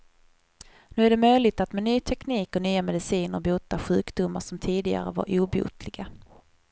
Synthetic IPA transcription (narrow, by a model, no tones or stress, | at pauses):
nʉ̟ːæɖɛmœjlɪɡ̚t̪at̪mɛnyːt̪ʰɛkniːkɔnyːamɛd̪ɪsiːnəɾbuːt̪ːaɧʉ̟ːkd̪ʊmːaʂɔmt̪ʰiːd̪ɪɡa̰ɾə̰va̰ɾʔuːbṵːt̪lɪɡa